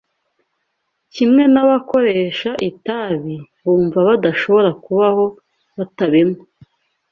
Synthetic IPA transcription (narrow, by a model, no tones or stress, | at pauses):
cimŋe̞naβako̞ɾeʃaʔitaβiβuːɱvaβadaʃo̞βo̞ɾakuβaho̞ | βataβemŋo